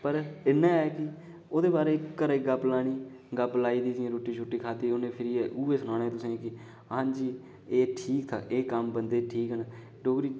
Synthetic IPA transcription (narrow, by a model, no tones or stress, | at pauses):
pəɾɪnːãːɛːkɪ | oːd̪eːbaːɾeːəɾeːɡəblaːɽ̃iː | ɡəblaːiːd̪iːsɪãːɾoːʈiːt͡ʃʰʊʈːiːkʰaːd̪iːoːnẽːpʰɪɾiːɛːʔuːeːsʊnãːnɛ̃ːt̪ʊsẽːkɪ | əɦãːd͡ʒiː | eːʈʰiːk̚t̪ʰa̰ːʔeːkəmbənd̪eːʈʰiːkɦənː | ɖoːkɾiː